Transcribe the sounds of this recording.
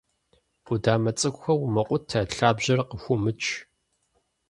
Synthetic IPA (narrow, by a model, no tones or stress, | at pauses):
udaːmɐt͡sʼɨkʷxʷɐwmɐqʷʼʊtʰːaɬaːbʑɐrqəxʷʊmɨt͡ʃʼʰ